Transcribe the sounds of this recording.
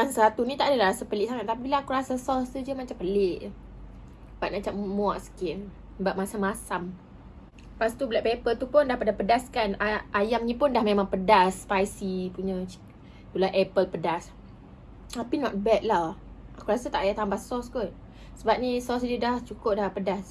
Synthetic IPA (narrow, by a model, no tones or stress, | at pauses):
aŋsəɾat̪unit̪aʔdalaɾasapəlɪʔsaŋat̪̚ːap̬ibilaakuɾasasɔstud͡ʒəmat͡ʃampəlɪʔ | baʔ̪̚mat͡ʃamːwaʔsə̥kɪn | baʔ̚masamːasam | past̪ubəlaʔpepəlt̪upʊndahpadapədaskanaʔajamnĩpʊndahmemãŋpədaspajsipuɲã | t̪ulaʔɛpəlpədas | apinɔt̪̚bɛt̪̚lah | akuɾasat̪aʔjat̪ambasɔskʊt̪̚ | səbap̚nisɔsd͡ʒədaht͡ʃukʊp̚dapədas